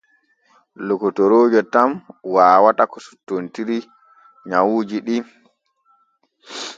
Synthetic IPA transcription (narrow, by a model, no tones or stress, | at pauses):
lokɔtɔɾoːd͡ʒɔtamwaːwatakɔsu̥tːontiɾi | ɲawuːd͡ʒiɗi